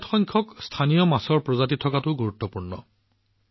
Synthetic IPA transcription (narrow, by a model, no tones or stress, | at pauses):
txɔjŋkʰɔkstʰanijɔmasɔɹpɹɔzatitʰɔkatʊɡuɹut̪ːɔpuɹnɔ